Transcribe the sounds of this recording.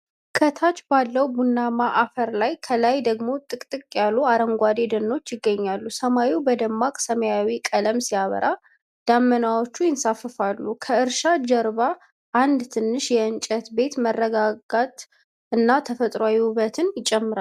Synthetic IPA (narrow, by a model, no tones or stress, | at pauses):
kʰət̪ʰat͡ʃbalːəwbunːamaʔafəɾlajkʰəlajd̪əɡmo̞t̪ʼɨkʼt̪ʼɨkʼjalːuaɾəŋɡʷad̪ed̪ənːo̞t͡ʃːjɪɡːəɲːalːusəmawiwbəd̪əmːakʼsəməjawikʼələmsijaβə̰ɾʔa | d̪̥amːənawo̞t͡ʃːujɪnsafːɨfalːukʰəɨɾʃad͡ʒɛɾβa | ʔand̪t̪ʰɨnːɨʃjɛɨnt͡ʃʼət̪be̞t̪mərːəɡaɡat̪ʼ | ɨnːat̪ʰəfət̪ʼɾoajɛhuβət̪ʰɨnjɪt͡ʃʼɛmːɨɾa